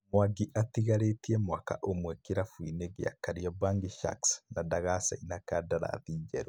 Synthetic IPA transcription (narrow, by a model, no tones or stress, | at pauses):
mwaɡiʔatiɣaɾetiɛmwaka̰ʔomwɛkeɾafwineɡḛa̰kaɾiɔbaŋɡiʃa̰ksnadaɣasa̰inakadaɾa̰ðiːd͡ʒɛɾw